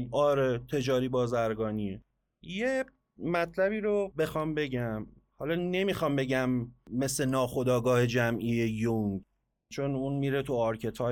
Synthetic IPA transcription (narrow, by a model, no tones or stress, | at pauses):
ɒːɾet̪ʰe̞d͡ʒɒːɾiːbɒːzæɾɡɒːni | je | mæt̪ʰlæβiːɾobe̞xɒːmbe̞ɟæm | hɒlɒːne̞mixɒːmbe̞ɟæmːe̞slenɒːxo̞d̪ɒːɡɒːhe̞d͡ʒæmʔiejoŋɡ | t͡ʃʰo̞nunmiːɾet̪ʰuɒɾcʰe̞t̪ʰɒː